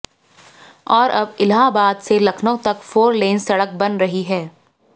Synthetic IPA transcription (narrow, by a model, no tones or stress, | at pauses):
ɔːɾʔɐbɪlɦaːbaːd̪selɐkʰnõt̪ɐkfoːɾleːnsɐɽək̚bɐnɾɐɦiɦɛː